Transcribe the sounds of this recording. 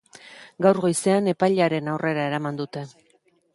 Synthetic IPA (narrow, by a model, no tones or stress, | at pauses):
ɡawɾɣo̞jse̞ane̞pajʎaɾe̞nawrʔe̞ɾaeɾamand̪ut̪e̞